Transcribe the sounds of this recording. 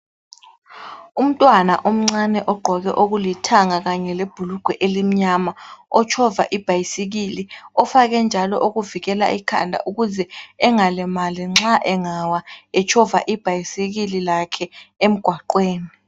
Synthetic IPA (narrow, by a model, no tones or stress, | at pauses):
um̩tʼwanaʔom̩ŋ͡ǀanɛʔɔɡ͡ǃʱɔɣɛʔoɣulitʰaŋaɣaɲɛleb̥ʱuluɡ̥ʱwɛʔelim̩ɲamaɔt͡ʃʰɔvaʔib̥ʱajisiɣiliɔfaɣɛnd͡ʒʱalɔʔoɣuviɣɛla̰ʔikʰa̰ndʱa̰ʔuɣuzɛɛŋalɛmaliŋ͡ǁaʔɛŋawaɛt͡ʃʰɔvaʔib̥ʱajisiɣililakʰɛem̩ɡ̥ʱwaǃweːni